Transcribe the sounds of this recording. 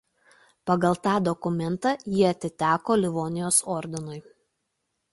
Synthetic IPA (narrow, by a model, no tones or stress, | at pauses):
pɐɡɐlˠt̪ɑːd̪ɔkʊmʲɛnˑt̪ɑjiɐt̪ʲɪt̪ʲæːkoːlʲɪʋoːnʲɪjoːsɔːɾʲd̪ʲɪnʊɪ